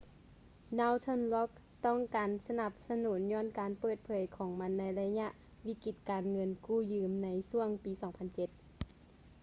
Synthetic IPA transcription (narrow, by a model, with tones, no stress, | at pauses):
naː˧wt̪ʰɤ˧˥˨nlɔ˧˦˥k̚ | t̪ɔ˥˨ŋkaː˨nsa˧na˧˦p̚sa˧nuː˩˦nɲɔː˧˥˨nkaː˨˩npɤː˧˩t̪̚pʰɤː˨˦jkʰɔː˨˦ŋma˧˥nːa˧˥jla˧ɲa˧ʔ | wi˧˥ki˧˩t̪̚kaː˨nŋɤ˧nkuː˧˩jɯː˨˧mna˧˥jsu˧˩əŋpiː˨˦sɔː˨˩˦ŋpʰa˧˨nt͡ɕe˧˦t̪̚